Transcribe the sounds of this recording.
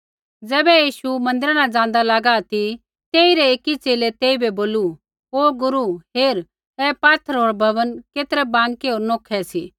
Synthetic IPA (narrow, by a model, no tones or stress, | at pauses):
d͡zɛːbɛjiːʃumɐ̃nd̪ɪɾanãd͡zãːn̆d̪alaːɡat̪i | t̪eːiɾeeːkit͡seːlet̪eːibɛboːlu | oːɡʊɾuɦeːɾ | ɛːpaːt̪ʰəɾɦoːɾbʱɐʋənkeːt̪ɾɛbãːŋkeɦoːɾnoːkʰɛsiː